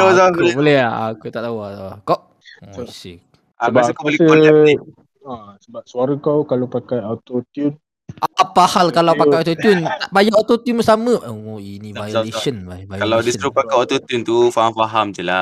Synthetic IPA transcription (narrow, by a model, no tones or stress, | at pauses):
ozabolɛa̰kut̪aʔt̪auaakɔʔ | sḭk | abaaəkobolɛo | asəbap̚suaɾəkawkalopakajat̪ot̪um | ʔaapahalkalawkpaajot̪ot̪unt̪aʔbajaʔot̪ot̪juməsamə̃ʔəoinĩvajeʃənavajkalawdist̪ɾuk̚pakajot̪ot̪unt̪ufahamfaɦamd͡ʒəla